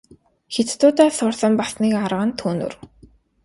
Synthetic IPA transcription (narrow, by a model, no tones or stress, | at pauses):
xet͡st̪ʊːt̪aːsʊrɮə̆mpasniːkarʁə̆nt̪ʰuːnṵ̆r